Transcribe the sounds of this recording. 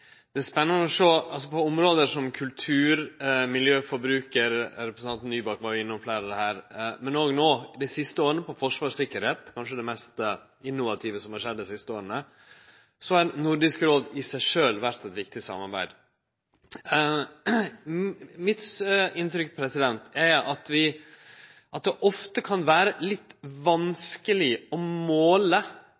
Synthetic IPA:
d̪̥ɛæspɛnːənəɔʂoːɑlsɔpʰɔɔmɾoːd̪əʂɔmkʰʉlt̪ʰʉːɾmɪljøːfɔɾbɾʉːkəɾɾɛpɾəsn̩ɑnt̪n̩ːyːbɑkʋɑːɾjʊɪnːʊmflæɪɾəd̪ɛhæːɾmɛnoːɡnoːd̪æɪsɪst̪əoːɾənəpɔfɔʂʋɑːʂsɪkːəɾheːt̪kʰɑnʂəd̪ɛmɛst̪ə | ɪnːʊʋɑt̪ʰiːʋəsɔmhɑɾʂɛd̪ːɛsɪst̪əoːɾənə | sɔhɑɾnʊɾɖɪskɾoːd̪ɪsæɪʂøːlʋæɾt̪ɛt̪ʋɪkt̪ɪsɑ̰mɑɾbæ̰ɪd̪ | mɪt̪ɪnt̪ɾʏkpʰɾɛsɪd̪ɛnt̪æʔɑt̪ʋɪ | ʔɑt̪̚d̪ɛʔɔft̪əkʰɑnʋæːɾəlɪt̪ːʋɑnskəlɪɔmoːlə

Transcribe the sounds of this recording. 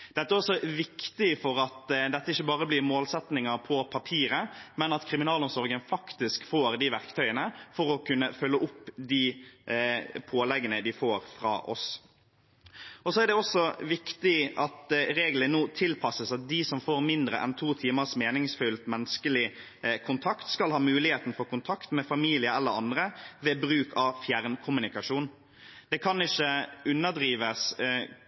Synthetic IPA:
d̪̥ɛt̪ːəæɾɔsːɔʋɪkt̪ɪfɔɾɑt̪d̪ɛt̪ːəɪçːəbɑːɾəblɪɾmoːlsɛt̪nɪŋəɾpʰɔpʰɑpʰiːɾəmɛnɑt̪kʰɾɪmɪnɑːlɔmsɔɾɡənfɑkt̪ɪskfoːɾd̪ɪʋæɾkt̪ʰœʏənəfɔɾɔkʰʉnːəfœlːəʔʊpːd̪i | pʰoːlɛɡːənəd̪ɪfoːɾfɾɑ̰ːʔɔ̰s | ɔsɔæɾɖ̪ɛɔsːɔʋɪkt̪ɪʔɑt̪ɾeːɡlənnoːt̪ʰɪlpʰɑsəsɑt̪̚d̪ɪsɔmfoːɾmɪnd̪ɾə̰ʔɛ̰nt̪ʰuːt̪ʰiːməʁsmeːnɪŋsfʉlt̪mɛnskəlɪ | kʰʊnt̪ʰɑkt̪skɑlhɑːmʉːlɪheːt̪nfɔkʊnt̪ʰɑkt̪mɛfɑmiːlɪəɛlːəɾɑnd̪ɾəʋeːbɾʉːkʰɑʋfjæʁnkʰʊmʉnɪkɑʂuːn | d̪̥ɛkʰɑnɪçːəʉnːəd̪ɾiːʋəs

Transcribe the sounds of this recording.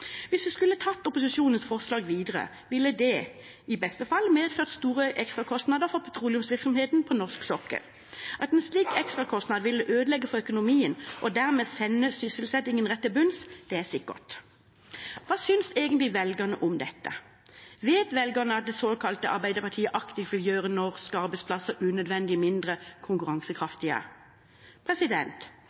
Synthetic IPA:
ʋɪsd̪ʉskʉlːət̪ʰɑt̪ːɔpʊsɪsuːnənsfɔʁslɑːɡʋiːd̪əʁə̰ | ʋɪlːəd̪ɛ | ɪbɛst̪əfɑlːmeːd̪føːʁt̪st̪uːɾəʔɛkst̪ʁɑkʰɔst̪nɑd̪əʁfɔʁpʰɑt̪ʰʁuːlɪʉmsʋɪʁksɔmheːt̪npʰɔnɔʂksɔkːə̰ʁ | ʔɑt̪ɛnsliːkɛkst̪ʁɑkʰɔst̪nɑd̪ʋɪlːəʔøːd̪əlɛɡːəfɔʁœkʊnʊmiːənʔɔd̪æʁmeːsɛnːəsʏsəlsɛt̪ːɪŋːənʁɛt̪ːəbʉnsd̪̥ɛæsɪkːə̰t̪ | ʋɑːsʏnseːɡənt̪lɪʋɛlɡəʁnə̰ʔʊmd̪ɛt̪ːə | ʋeːt̪ʋɛlɡəʁnəɑt̪̚d̪ɛsoːkʰɑlt̪əʔɑ̰ʁbæɪd̪əʁpɑʁt̪ʰiːəʔɑkt̪ɪfʋɪljøːʁənɔʁskɑʁbɛɪspʰlɑsəʁʉːnœd̪ʋɛnd̪ɪmɪnd̪ʁəkʰʊŋkʉʁɑŋsəkʰʁɑft̪ɪə̰ | pʰʁɛsɪd̪ɛnt̪

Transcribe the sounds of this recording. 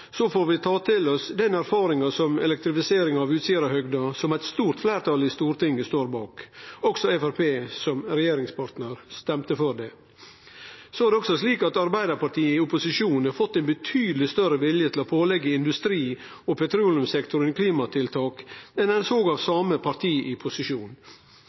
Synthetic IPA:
sofoːɾʋɪt̪ʰɑːt̪ʰɪlɔsd̪ɛnæɾfɑːɾɪŋɑsɔmɛ̰lɛk̚t̪ɾɪfɪseːɾɪŋɑʋʉːt̪sɪəɾəhœɡd̪ɑsɔmæɪt̪st̪uːɾt̪flæːɾt̪ʰɑlist̪uːɾt̪ɪŋːəst̪oːɾbɑːkɔɡsɔɛfæɾpʰeːsɔmɾɛjeːɾɪŋspʰɑʈ̪nəɾst̪ɛmt̪əfɔɖɛ | soæɾdɛɔksɔsliːkɑt̪ɑɾbæɪd̪əɾpɑʈʰiːəɪʊpʊsɪʂuːn̩ɑfɔt̪ːɛɪnbət̪ʰyːd̪əlɪst̪œɾəʋɪljət̪ʰlɔpʰoːlɛɡːəɪnd̪ʉst̪ɾiː | ɔpʰɛt̪ʰɾuːlɪʉmsɛkt̪ʊɾənkʰliːmɑt̪ʰɪlt̪ʰɑːkɛnɛnsoːɡɑʋsɑːməpʰɑɾt̪ʰiːʔɪpʰʊsɪʂuːn

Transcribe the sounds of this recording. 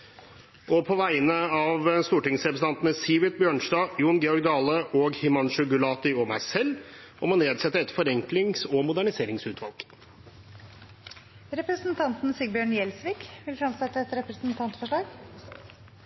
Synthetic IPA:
ɔpʰɔʋæɪnəɑʋst̪uːʈɪŋsɾɛpɾəsn̩ɑnt̪nəsiːʋɪt̪̚bjøːɳʂdɑːjuːnɡɛɔɡd̪ɑːləʔɔːɡhɪmɑnʃʉɡʉlɑːt̪ɪɔmæɪsɛlːɔmɔneːd̪sɛt̪ːəɾɛt̪fɔɾɛŋklɪŋsɔmʊd̪æɳɪseːɾɪŋsʉːt̪ʰʋɑlˠɡ̥ | ɾɛpɾəsnt̪ʰɑnt̪n̩sɪɡbjøːɳjɛlsʋiːkʋɪlfɾɑmsɛt̪ːəɛt̪ɾɛpɾəsnt̪ʰɑnt̪fɔʂɭɑːɡ

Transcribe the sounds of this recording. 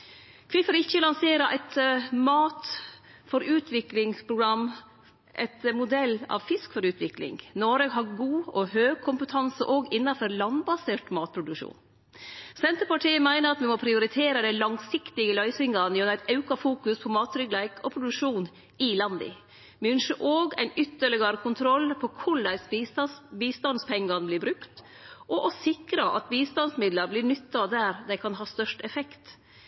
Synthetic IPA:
kʰʋɪfɔɾɪçːəlɑnseːɾəʔæɪt̪mɑːt̪ | fɔɾʉːt̪ʰʋɪklɪŋspʰɾʊɡɾɑm | ʔɛ̰t̪mʊd̪ɛlːɑ̰ʋfɪskfɔɾʉːt̪ʋɪklɪ̰ŋnɔɾəɡɦɑɾɡuːɔhøːɡ̚kʰʊmpət̪ʰɑnsəʔoːɡɪnːɑfɔɾlɑnbɑseːʈmɑːt̪̚pʰɾʊd̪ʉkʂṵːn | sɛnt̪əɾpɑʈʰiːəmæɪnəɾɑt̪ʋɪmɔpʰɾɪʊɾɪt̪ʰeːɾəd̪ɛlɑŋsɪkt̪ɪɡəlœʏsɪŋɡɑnjɔnæɪt̪ɑʉkɑfuːkʉspʰɔmɑːt̪ɾʏɡlæɪkʰɔpʰɾʊd̪ʉkʂuːn | ɪlɑnd̪ɪ̰ | mʉnʂəʔoːɡæ̰ɪnʏt̪ːəɭɪɡɑɾkʰʊnt̪ʰɾɔlːpʰɔkʰʊɭæɪs | biːst̪ɑnspʰɛŋɡɑnblɪɾbɾʉkt̪ | ʔɔʔɔsɪkɾɑʔɑ̰t̪̚biːst̪ɑnsmɪd̪ləɾblɪɳʏt̪ːɑd̪æɾd̪æɪkʰɑnɦɑːst̪œʂʈɛfɛkt̪

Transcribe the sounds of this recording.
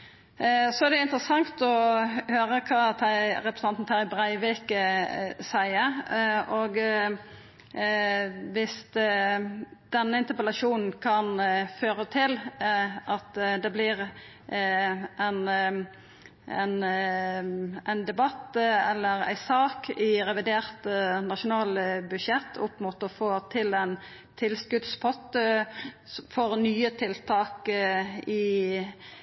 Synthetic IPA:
sɔæɾd̪ɛɪnt̪ɾəsɑŋt̪ɔhøːɾəkʰɑːt̪ʰæɾɛpɾəsɑnt̪n̩t̪ʰæɾɪbɾæɪʋɪkəsæɪəɾʔoːɡ | ʋɪs | d̪̥ɛnːəɪnt̪əpəlɑʂuːnn̩kʰɑnføːɾət̪ʰɪlʔɑt̪d̪ɛblɪɾ | ʔɛn | ɛ̰n | æɪnd̪ɛbɑt̪ːɛlːəɾæ̰ɪsɑːkɪɾɛʋɪd̪eːɾt̪nɑʃʊnɑːlbʉʃjɛt̪ːʰʊpmut̪ɔfoːt̪ʰɪlæɪn | t̪ʰɪlskʉd̪spʰɔt̪ː | fɔɾnyːət̪ʰɪlt̪ʰɑːk | ɪ

